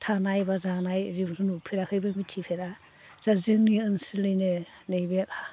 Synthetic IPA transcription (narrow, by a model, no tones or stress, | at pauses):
tʰanajbazanajɾibɾʰɯnupʰiɾakʰɯjbɯmitʰipʰeɾa | z̥azɯŋniɯnsɯlɯjnɯ | nɯjbeka